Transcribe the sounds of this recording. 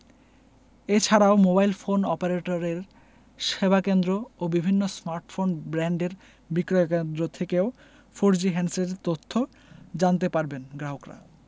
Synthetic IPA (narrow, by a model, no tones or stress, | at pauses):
et͡ɕʰaɾaomobajlfonɔpeɾeʈoɾeɾ | ʃebakend̪ɾoobibʱinːosmaɾʈfonbɾɛɳɖeɾ | bikɾoekend̪ɾot̪ʰekeo | foɾd͡ʑiɦɛnseɾet̪ot̪ʰːo | d͡ʑant̪epaɾbenɡɾaɦokɾa̰